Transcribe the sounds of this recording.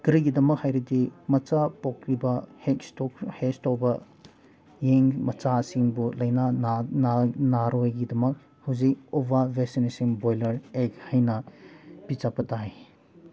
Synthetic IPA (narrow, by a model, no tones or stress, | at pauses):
ɡ̥ɾiɡidɐmɐk̚hajɾidimɐt͡ʃapɔk̚ɾibɐhekstɔkhestɔbɐ | jeŋmɐt͡ʃasiŋbulɐjnannnaɾojɡidɐmɐk̚ | hawzik̚obʱabʱesinesimbojlɐɾek̚hajnɐpit͡ʃapɐtʰaj